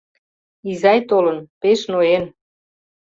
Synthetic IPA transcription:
izɑjt̪olənpeʃnojen

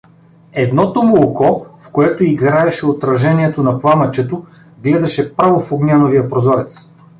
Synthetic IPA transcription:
ɛd̪nɔt̪omokɔfkoɛt̪oiɡɾaɛʃɛot̪ɾɐʒɛniɛt̪onɐplˠamɐt͡ʃɛt̪o | ɡlɛd̪ɐʃɛpɾavofoɡnʲanovijɐpɾozɔɾɛt̪s

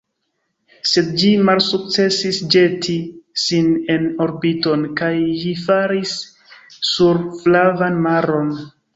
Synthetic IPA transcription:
se̞dd͡ʒimalsuk̚t͡se̞sisd͡ʒe̞tʰisine̞no̞ɾbito̞nkajːifaɾisː | uɾflavanmaɾo̞n

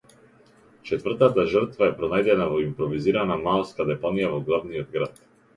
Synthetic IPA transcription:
t͡ʃɛt̪vrt̪at̪aʒərt̪vaɛpɾɔnajd̪ɛnavɔimpɾɔviziɾanamalˠskad̪ɛpanijavɔɡlˠavniɔd̪̚ɡɾat̪̚

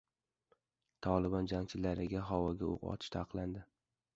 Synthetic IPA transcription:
t̪ʰɒlˠɪbɒnd͡ʒaŋt͡ʃʰɪlaɾɪɡʲaɦɒwɒɡʲao̰qɒ̰t̪ʰɪ̥ʃt̪ʰaqlˠand̪ɪ

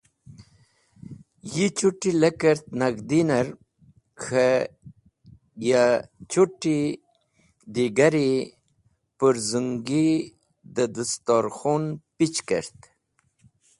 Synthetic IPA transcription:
jit͡ʃuʈiləkəɾt̪̚naɡd̪inəɾ | xʰə | jat͡ʃuʈːi | d̪iɡaɾi | pəɾzuŋɡi | d̪əd̪əst̪ɔɾxunpit͡ɕkə̰ɾt̪

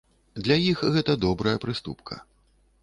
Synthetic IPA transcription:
d̪lʲɐjixɣɛt̪ɐd̪ɔbɾɐjɐpɾɨst̪ṵpkʰɐ̰

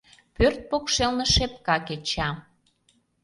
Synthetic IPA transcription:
pørt̪̚pokʃelnə̆ʃep̚kɑket͡ɕɑ

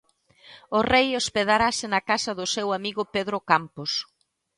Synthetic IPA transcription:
ʊrejospeð̞aɾasɪnɐakasɐðʊsewamiɣʊpeðɾokampos

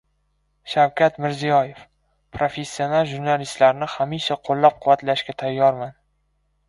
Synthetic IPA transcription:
ʃawkʲat̪mɪɾzijɒjef | pʰɾofe̞sʲːio̞nalˠʒuɾnalist̪laɾnɪhamiʃaqʰolˠːap̚qʰʊvat̪laʃkʲat̪ʰajːɒɾman

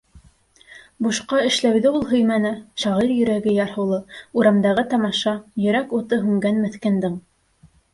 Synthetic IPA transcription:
buʃqɑɘ̆ʃlæwðɘulˠɦɵ̆jmænɘʃɑʁiɾjɵ̆ɾæɡɘjɑɾhɤ̆lˠɤuɾɑmd̪ɑʁɤt̪ɑmɑʃɑjɵ̆ɾækut̪ɤɦʉŋɡænmɘ̆θkæ̆nd̪ɘɴ

